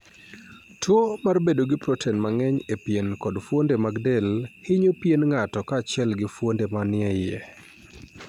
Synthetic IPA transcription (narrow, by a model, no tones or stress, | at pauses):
tʰwomarbedoɡɪpɾɔtʰɛnmaŋɛɲepjenkɔdfwondemaɡdɛlhɪɲopjenŋatɔkaːt͡ʃɪɛlɡɪfwondemanɪɛjɛ